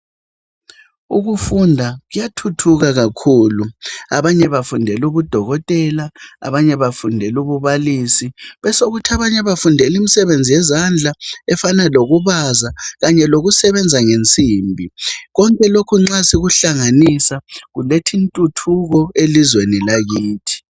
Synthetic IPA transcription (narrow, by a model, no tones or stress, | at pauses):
uɣufundʱaɣujatʰutʰuɣaɣakʰuːlua̰βaɲɛβafundʱɛluβud̥ʱɔɣɔtʼɛlaa̰βaɲɛβafundʱɛluβuβalisiβɛsoɣutʰiaβaɲɛβafundʱɛlimisɛβend͡zʱijɛzand͡ɮʱaɛfanaloɣuβazaɣaɲɛloɣusɛβɛnd͡zʱaŋent͡sʼiːmbʱiɣɔŋkʼɛlokʰuŋ͡ǁasiɣuɬaŋanisaɣuletʰintʼutʰuɣɔelizwenilaɣiːtʰi̥